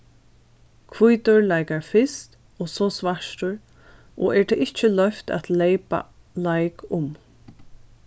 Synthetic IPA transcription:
kʰʋujt̪ʊɹlajkaɹfɪst̪ | ɔːsɔːsvaʃtʊɹ | ɔ̰ɛːɹt̪ʰɛɪht͡ʃɪlœft̪a̰t̪lejpa̰ | lajkʊm

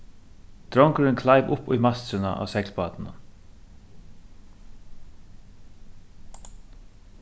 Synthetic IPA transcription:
d̪̥ɾɔŋkəɾɪnkʰlaɪʋʊpʊ̰jmast̪ɾʏna̰ʔa̰ːsɛklpɑːt̪n̩a̰

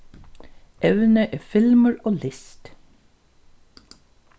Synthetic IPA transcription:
ʔɛʋnəʔeːfɪlməɹoːlɪst̪

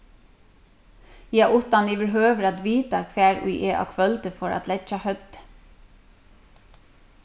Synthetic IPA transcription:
jɛʔʊt̪ɑniʋbɪɾɦøːʋəɾad̪ʋiːt̪akʰʋæːɹṵɪʔeːʔɑ̰ːkʰʋœlt̪əfɔɹɑ̰t̪lɛt͡ʃɑhœd̪̥

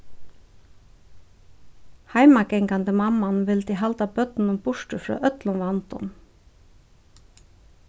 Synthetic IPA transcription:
hɑɪmɑɡɛŋkɑnd̪əmɑmɑnʋɪlt̪ɪhɑlt̪ɑbœt̪n̩ʊmbʊʃʈʉfɾɑ̰ːʔœt̪lʊnʋɑnt̪ʊ̰m

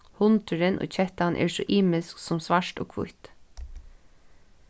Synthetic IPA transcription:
hʊnt̪ʏɾɪnʔo̰ːt͡ɕʰɛht̪anʔɛ̰ːɹsɔʔiːmɪsksʊmsʋaʂt̪ɔ̰kʰʋʊ̰jt̪

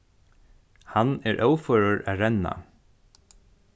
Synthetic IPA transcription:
hanɛːɹʔœːwfœːɹʊɹæːɾɛna̰

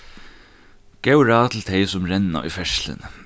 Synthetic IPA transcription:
ɡ̥ɛwɾaːt̪ʰɪl̩t̪ʰɛɪsʊmɾɛnːa̰ʔʊ̰jfɛʂlɪ̰n

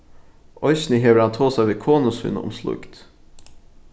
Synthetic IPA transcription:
ʔɔʏçnɪɦeʋəɾɑnt̪ʰoːsæʋeːkʰoːnʊshʉ̰nʊ̰mslʊ̰kt̪

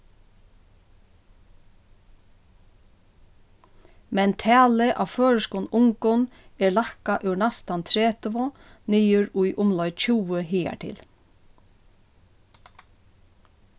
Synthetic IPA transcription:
mɛnt̪ʰɛːlɪʔa̰ʋføːɻəskuːnʊŋkʊnɛɹlahkaʔʉnast̪ant̪ʰɾɛːt̪əʋʊ | niːjʏɹʊjʔʊmlɔʏt͡ʃʰuːwəɦiːa̰ʈ̪ʰɪ̰l

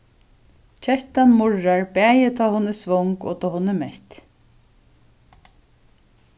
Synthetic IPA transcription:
t͡ʃʰɛht̪anmʊɹaɹbæːjɪt̪ʰaːhʊnɪsvɔŋkɔ̰ːt̪ʰɔːhʊnːɪmɛht̪

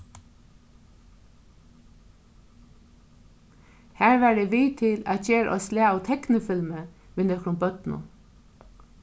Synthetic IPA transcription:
hæːɹʋæːɖeːʋiːt̪ʰɪlɑ̰t̪çeːɾʔɔ̰sleːɑʊt̪ʰɛknɪfɪlmə | ʋɪnəkɾʊmbœt̪nʊ̰

